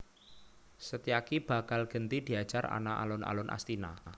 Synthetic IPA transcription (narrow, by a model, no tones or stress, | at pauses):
sət̪iakib̥a̤kalɡ̥ə̤nt̪id̪̥i̤ḁd͡ʒ̥ara̰naʔa̰lʊna̰lʊnʔa̰st̪ina